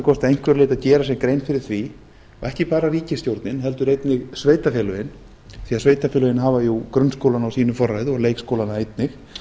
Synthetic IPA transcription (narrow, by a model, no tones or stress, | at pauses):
kʰɔst̪aejŋ̥kvɛɾlejt̪aðcɛːɾasɛmkɾejnfɪɾɪɾ̥θvi | ɔ̰ɛhcɪpaːɾariːcɪst̪jowɾt̪nɪnɦɛlt̪ʏɾejt̪nɪɣsveːjt̪afɛːlʏɪn | θiːaðsveːjt̪afɛːlʏɪnɦaːvajukɾʏnskowlanawsiːnʏfɔrːajðɔɣlejkskowlanaejt̪nɪx